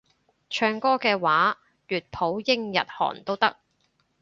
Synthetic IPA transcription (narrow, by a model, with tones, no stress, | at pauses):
t͡ʃʰœː˧ŋkɔː˥kɛː˧waː˨˥ | jyː˨t̚pʰo˨˥wjɪ˥ŋjɐ̰˨t̚hɔ̰ː˨˩nt̪o˥wt̪ɐ̰˥k̚